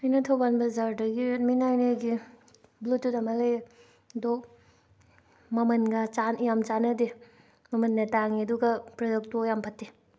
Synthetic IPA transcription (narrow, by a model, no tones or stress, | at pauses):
ajnɐtʰɐwbanbɐzaɾdɐɡiminajneɡi | blutːudɐmalej | dɔ | mɐmɐnɡɐt͡ʃanijamt͡ʃanɐde | mɐmɐnːɐtaŋiɐduɡɐpɾɐdɔk̚tojampʰɐtːi